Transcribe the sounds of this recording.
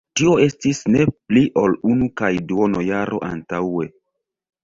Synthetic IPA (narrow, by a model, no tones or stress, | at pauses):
tio̞e̞stisne̞pliʔo̞lunukajduonojaɾʔo̞̰ʔa̰ntawe̞